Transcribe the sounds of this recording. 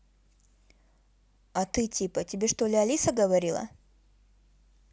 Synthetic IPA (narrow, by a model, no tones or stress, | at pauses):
ɐt̪ɨtʲipətʲɪbʲe̞ʂt̪olʲɪɐlʲisəɡəvɐɾʲilˠɐ̰